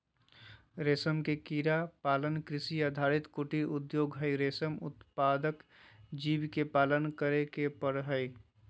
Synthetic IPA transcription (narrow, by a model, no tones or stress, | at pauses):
ɾeːsəmkekiːɾapaːlənkɾɪsiəd̪ʱaɾit̪kuʈiʊd̪joːɡɦəɪɾeːsəmʊ̰t̪paːd̪əkd͡ʒiːbkepaːlənkəɾekepəɽɦəi